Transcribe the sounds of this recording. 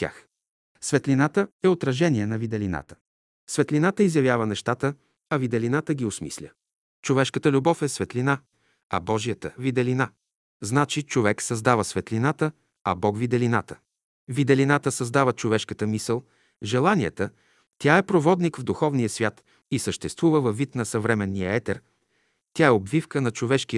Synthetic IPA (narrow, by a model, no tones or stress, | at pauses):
t̪ʲja̰x | svɛt̪linat̪əɛot̪ɾɐʒɛniɛnɐvid̪ɛlina̰t̪ə̥ | svɛt̪linat̪əizjɐvʲjavənɛʃt̪at̪ə | ɐvid̪ɛlinat̪əɡʲiʊsmḭslʲə̰ | t͡ʃovɛʃkət̪əlʲubɔfɛsvɛt̪lina | ɐ̰bɔʒijət̪əvid̪ɛlina | znat͡ʃit͡ʃovɛksɐzd̪avəsvɛt̪linat̪ə | ɐbɔɡvid̪ɛlinat̪ə̥ | vid̪ɛlinat̪əsɐzd̪avət͡ʃovɛʃkət̪əmisəlˠ | ʒɛlˠaniɛt̪ə | t̪ʲaɛpɾovɔd̪nikvd̪uxɔvnijəsvʲjat̪ | isəʃt̪ɛst̪vuvəvɐvːit̪nɐsɐvɾɛmɛnːijəɛt̪ɛɾ | t̪ʲaɛobvifkənɐt͡ʃovɛʃk̟i